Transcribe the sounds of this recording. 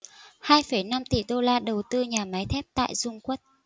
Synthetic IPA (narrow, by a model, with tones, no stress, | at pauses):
haː˧jfə˧˩jna˧mt̪ḭ˧˩ɗo˧laː˧ɗə˨˩wt̪ɨ˧ɲaː˨˩ma˨˦jt̪ʰɛ˦˥p̚t̪a̰ː˧˨jzʊ˧ŋ͡mkwə˦˥t̚